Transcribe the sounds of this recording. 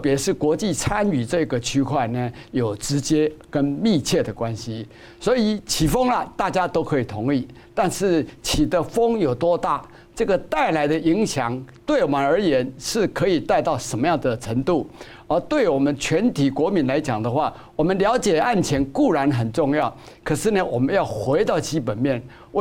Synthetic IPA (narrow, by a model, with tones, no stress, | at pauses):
pjɛ˧˥ʂɻ̩˥˩kwɔ˧˥t͡ɕi˥˨t͡sʰa˥ny˨˩ʈ͡ʂɤ˥˩i˨˥ɡə˨t͡ɕʰy˥kʰwa˥˩ɪnə˨jo˨˩ʊʈ͡ʂɻ̩˧˥t͡ɕjɛ˥kə˥nmi˥˧t͡ɕʰjɛ˥˩d̪ə˩kwa˦nɕi˧˥ | swɔ˧˥i˨˩t͡ɕʰi˨˩fɤ˥ŋlɐ˨t̪a˥˩t͡ɕja˥t̪o˥ʊkʰɤ˧˥i˨˩t̪ʰʊ˧˥ŋi˥˩ | t̪a˥˧nʂɻ̩˥˩t͡ɕʰi˨˩d̪ə˧fɤ˥ŋjo˨˩ʊt̪wɔ˥t̪a˥˩ | ʈ͡ʂɤ˥˩ɡə˨t̪a˥˩ɪla˧˥ɪd̪ə˧i˧˥ŋɕjɑ˨˦ŋt̪we˥˩ɪwɔ˨˩mə˧˦nə˞˧˥jɛ˧˥nʂɻ̩˥˩kʰə˧˥i˨˩t̪a˥˧ɪt̪ɑ˥˩ʊʂə˧˥nmə˦jɑ˥˩ŋd̪ə˩ʈ͡ʂʰə˧˥ŋt̪u˥˩ | ə˧˥t̪we˥˩ɪwɔ˨˩mə˦nt͡ɕʰɥɛ˧˥nt̪ʰi˨˩kwɔ˧˥mi˧˥nla˧˥ɪt͡ɕjɑ˨˩ŋd̪ə˦xwa˥˩ | wɔ˨˩mə˦nljɑ˧˥ʊt͡ɕjɛ˨˩a˥˩nt͡ɕʰjɛ˧˥nku˥˩ɻa˧˥nxə˨˩nʈ͡ʂʊ˥˧ŋjɑ˥˩ʊ | kʰɤ˨˩ʂɻ̩˥˩nə˨wɔ˨˩mə˦njɑ˥˩ʊxwe˧˥ɪt̪ɑ˥˩ʊt͡ɕi˥pə˨˩nmjɛ˥˩n˥